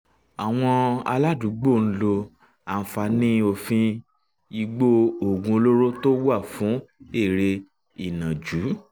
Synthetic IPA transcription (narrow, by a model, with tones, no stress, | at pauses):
a˨w̃ɔ̃˧a̰˧la˦du˨˦ɡ͡bo˦˨n̩˦lo˧ | a˨n̩˨fa˧nĩ˦o˧fĩ˧ | i˧ɡ͡bo˦o˦˨ɡũ˧o˧lo˦ɾo˦to˦wa˦˨fũ˨˦e˦˨ɾe˧ | i˨nã˨d͡ʒu˨˦